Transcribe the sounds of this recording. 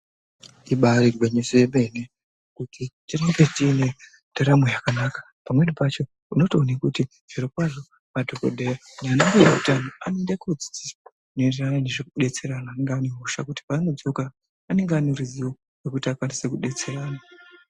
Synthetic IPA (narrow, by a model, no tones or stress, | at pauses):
iɓaɾirweɲesojeme̞ne | kutʰit͡ʃiromɡet͡ʃiːne | d̥ʱaɾamojakanaːkḁ | pamwe̞ɗipat͡ʃo̞ | uno̞toːnekuti | ʐ̥irokwaʐo̞ | madʱo̞ko̞̰dʱejanaːnaŋɡujakutanoa̰nendekud͡zi̥d͡zisa | noenderananeʐekuɗe̞t͡se̞ɾanaːneŋɡaniɦoʃa̰kuti̥paːnod͡zo̞ka | ane̞ŋɡeaneriziwo | wekutiakwanise̞kuɗe̞t͡se̞raːna